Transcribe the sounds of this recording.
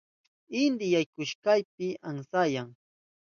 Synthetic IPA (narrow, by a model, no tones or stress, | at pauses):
ɪnd̪ɪjajkʊʃkajp̚ɪʔaŋsajaŋ